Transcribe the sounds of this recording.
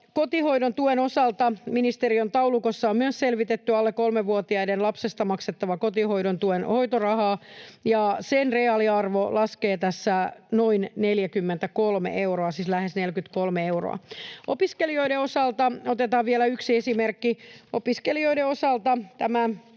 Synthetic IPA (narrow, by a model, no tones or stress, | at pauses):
kot̪ihoiɾont̪uenosɑlt̪ɑminist̪eriont̪ɑulukosːɑommyøsselʋit̪et̪ːyɑlːekolmeʋuot̪iɑidenlɑpsest̪ɑmɑkset̪ːɑʋɑkot̪ihoiɾont̪uenhoit̪orɑhɑːjɑsenreɑliɑrʋolɑskeːt̪æsːænoinneljækymːent̪ækolmḛʔewroɑsislæhesnelkyt̪kolmeeuro̰ɑ̰opiskelioideosɑlt̪ɑot̪et̪ɑːʋʋielæyksiesimerkːiopiskelioideosɑlt̪ɑt̪æmæ